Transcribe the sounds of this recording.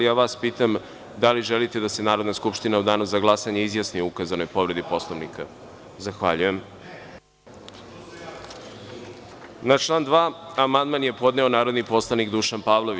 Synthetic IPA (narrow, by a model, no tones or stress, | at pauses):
jaːʋaːspiːt̪am | d̪aliʒelit̪e̞d̪ase̞naːɾo̞d̪naskupʃt̪inaud̪aːnuzaɡlˠasaɲeizjasnioukazano̞jpo̞ʋɾe̞d̪ipo̞slˠoʋnika̰ | zaxʋaʎuje̞m | nat͡ʃlˠaːnd̪ʋaːamand̪manje̞po̞d̪ne̞o̞naːɾod̪nipo̞slˠanikd̪uːʃanpaːʋlˠo̞ʋi